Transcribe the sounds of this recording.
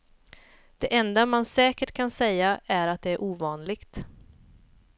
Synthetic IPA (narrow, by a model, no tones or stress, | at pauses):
d̪̥ɛʔɛnd̪amansɛːkəʈkʰansɛjːaæɾat̪̚d̪ɛæɾʔuːvɑːnlɪɡt̪